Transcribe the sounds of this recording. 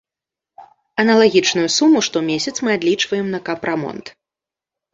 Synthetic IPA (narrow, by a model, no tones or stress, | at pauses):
ɐnɐlˠaɣʲit͡ʂnujusumːuʂt̪ɔmʲesʲɐt̪smɨad̪lʲit͡ʂvɐjɛmnɐkɐpɾamɔ̰nt̪